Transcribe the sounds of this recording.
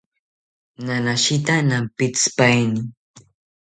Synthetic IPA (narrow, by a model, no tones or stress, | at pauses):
nanaʃɪt̪anampɪt͡spajnɪ